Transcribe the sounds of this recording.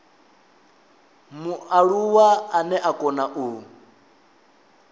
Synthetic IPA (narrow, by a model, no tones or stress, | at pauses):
muaɺuwaːnɛʔakʼɔnaʔu